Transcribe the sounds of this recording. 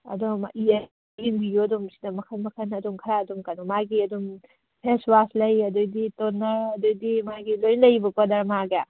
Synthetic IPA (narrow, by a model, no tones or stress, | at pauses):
ɐ̰dɔmaʔie | ɡinbijoɐdumsi̥dɐmɐkʰɐnmɐkʰɐnɐdumkʰɐɾaɐdumkɐnumaɡiɐdum | pʰeswaslɐjɐdojditonːɐɾɐdojdimaɡilojnlɐjbɐkadɐɾmaɡa